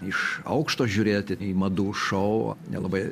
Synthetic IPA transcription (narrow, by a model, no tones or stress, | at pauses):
ɪʃɐ̰ʊkʃt̪oːʒʲuːɾʲeːjot̪ʲɪimɐd̪uːʃɔʊnʲɛ̰lˠɐbɐɪ